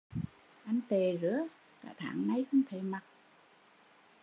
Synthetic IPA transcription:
ʔa˧jŋ̟t̪e˨˩zɨ̰˧˥ə | ka̰ː˧˩t̪ʰa̰ː˧˨˩ŋna˧jxʊ˧wŋ͡mt̪ʰe˧˨˩ma˨˩t̚

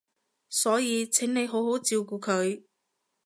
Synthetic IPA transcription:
sɔː˨˥jiː˨˧t͡sʰɪ˨˥ŋne˨˧jɦo˨˥who˨˥wt͡siː˧wk̬uː˧kʰɵ˨˧ɥ

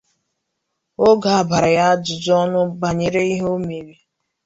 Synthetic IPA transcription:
o˦ɡa˨a˨ba˨ɾa˨ja˦dʊ˨d͡zɔ˦nʊ˦ba˨ɲe˨ɾe˦i˦ɦo˦me˨ɾi˦

